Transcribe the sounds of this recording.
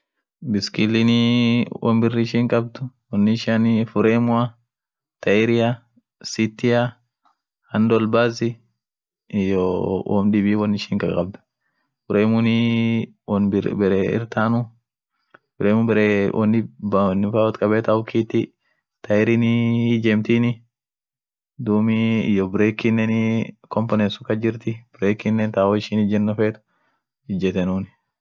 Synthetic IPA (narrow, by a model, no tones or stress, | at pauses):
bɪskɪlɪnɪwʔɔ̰mbɪrːɪʃiŋkʼɐb̚d̪ʊwɔnːɪɪʃanfʊɾeːmʊa | t̪ɐɪɾɪjɐ | sit̪ːɪja | hɐnd̪ɔlbaːzɪ | jowʔɔ̰mᶑɪbiːwɔnːɪʃiːŋkʼɐkʼɐb̚d̪ʊ̥ | fʊɾeːmʊni | bɛɾeɪ̰ɾt̪aːnʊ | bʊɾeːmʊbɛɾewʔɔ̰nːɪbnːɪfaːwɔt̪kʼɐbɛːt̪ɐʊkiːt̪ːɪ | t̪ɐɛɾɪnɪɪd͡ʒɛmt̪inɪ | d̪uːmɪɪjɔbɪɾeːkːɪnːɛnɪ | kɔmpɔnɛsʊkɐd͡ʒɪɾt̪ɪb̥ɪɾeːkːɪnːɛnt̪aːoɪʃɪnɪd͡ʒɛnːɔfeːt̪ʊ̥ | ɪd͡ʒɛt̪ɛnuːn